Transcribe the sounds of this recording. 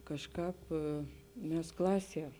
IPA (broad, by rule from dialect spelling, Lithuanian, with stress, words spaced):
kɐʃˈkɑːp ˈmʲɛs ˈklˠɑːˌsʲiɛ